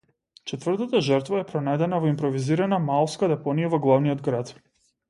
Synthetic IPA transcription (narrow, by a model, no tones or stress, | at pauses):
t͡ʃɛt̪vər̩t̪at̪aʒəɾt̪vaɛpɾɔnajd̪ɛnavɔimpɾɔviziɾanamalˠfskad̪ɛpɔnijavɔɡlˠavnijɔd̪ɡɾat̪